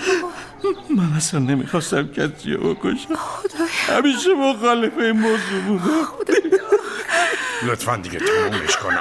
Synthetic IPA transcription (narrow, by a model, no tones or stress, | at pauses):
mænæsænːemḭxɒst̪æmcʰæsḭɔ̰boko̰ʃæmhæ̰miːʃemoxɒːlefejmozubud̪æ | lot̪ʰfænd̪iɡet̪ʰamumeʃkʰonæ̰